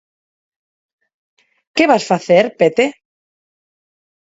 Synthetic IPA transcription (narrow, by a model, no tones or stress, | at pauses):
keβasfaθeɾpet̪e